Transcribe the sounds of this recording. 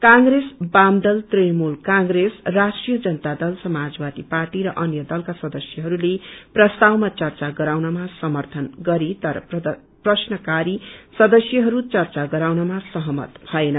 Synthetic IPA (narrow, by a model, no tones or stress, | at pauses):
kãŋɡɾesbamd̪ʌlt̪rejmulkãŋɡresrasʈrijʌd͡zʌnʌt̪ad̪ʌlsʌmad͡zbad̪iparʈiɾʌʔʌnjʌd̪ʌlkasʌd̪ʌsjʌɦʌɾuleprʌst̪awmat͡sʌrt͡saɡʌɾawnʌmasʌmʌrt̪ʰʌnɡʌɾit̪ʌɾʌ̰ | prʌsnʌkaɾisʌd̪ʌsjʌɦʌɾut͡sʌrt͡saɡʌɾawnʌmasʌɦʌmʌ̰t̪bʱʌenʌ